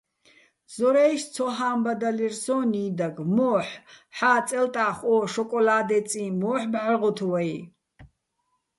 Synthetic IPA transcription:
z̥ɔɾɛʃt͡sʰɔɦaːmbad̪alirsɔːniːd̪aɡmɔːħħaːt͡sʼɛlt̪ʼaːχʷɔːʃɔkʼɔlaːd̪ɛt͡sʼĩːmɔːħbʕəʁɔt̪ʰuwaj

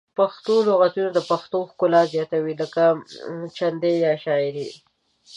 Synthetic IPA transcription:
paxt̪oloɣat̪unad̪əpaxt̪oxkʊlɑzjɑt̪awiləkat͡ʃand̪ejɑʃɑɪɾi

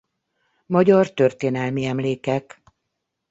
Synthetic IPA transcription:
mɒɟɒrt̪ø̞rt̪eːnɛlmiɛmleːkɛk

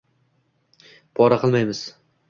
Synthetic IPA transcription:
pʰɒɾaqʰɨlˠmajmɪz̥

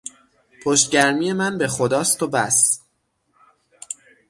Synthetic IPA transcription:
pʰoʃt̪̚ɟæɾmiːje̞mænbe̞xod̪ɒːst̪obæs

